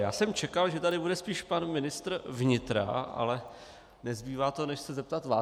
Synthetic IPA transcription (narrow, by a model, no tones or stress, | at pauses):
jaːsɛmt͡ʃɛkalʒɛt̪adɪbudɛspiːʃpanmɪnɪst̪ɾvɲɪt̪ɾa̰a̰lɛ | nɛzbiːvaːt̪onɛʃsɛzɛp̚t̪at̪vaː